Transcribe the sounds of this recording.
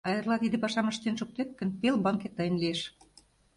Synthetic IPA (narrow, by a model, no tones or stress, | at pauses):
ɑjɤ̆rlɑt̪id̪ĕpɑʃɑməʃt̪enʃuk̚t̪et̪̚kə̆npelbɑŋket̪ːəjə̆nlieʃ